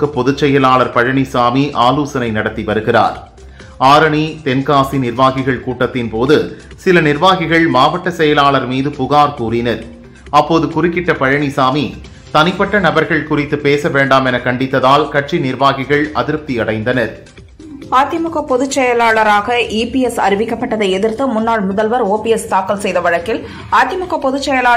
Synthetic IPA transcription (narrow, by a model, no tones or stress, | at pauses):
kɐpːɔðɯt͡ʃːɛjɐlaːlɐɾpɐɻɐɳisaːmiʔaːluːsɐnɐɪnɐɽɐt̪ːiʋɐɾɯɣɪra̰ːɾ | aːɾɐɳit̪ɛnkaːsinɪɾʋaːɣɪɣɐɭkuːʈːɐt̪ːɪnpoːðɯ | sɪlɐnɪɾʋaːɣɪɣɐɭmaːʋɐʈːɐsɛjɐlaːlɐɾmiːðɯpʊɣaːɾkuːrɪnɐɾ | ɐpːoːðɯkʊrɪkːɪʈːɐpɐɻɐɳisaːmi | t̪ɐnɪpːɐʈːɐnɐbɐɾɣɐɭkʊrɪt̪ːɯpeːsɐʋeːɳɖaːmɛnɐkɐɳɖɪt̪ːɐðaːlkɐʈt͡ʃinɪɾʋaːɣɪɣɐɭɐðɪɾp̚t̪iɐɽɐɪnd̪ɐnɐɾ | aːt̪jɐmʊɣɐpːɔðɯt͡ʃːɛjɐlaːɭɐɾaːɣɐʔiːpiɛsɐɾɪʋɪkːɐpːɐʈːɐðɐɪɛðɪɾt̪ɯmʊnːaːɭmʊðɐlʋɐɾoːpiɛst̪aːkɐlsɛjðɐʋɐɻɐkːɪl | aːt̪jɐmʊɣɐpːɔðɯt͡ʃːɛjɐlaː